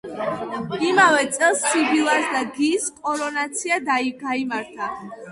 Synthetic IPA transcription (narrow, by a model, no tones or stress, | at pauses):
imavɛt̪sʼɛlˠssibilˠasd̪aɡiskʼɔɾɔnat̪sʰiad̪aiɡaimaɾt̪ʰa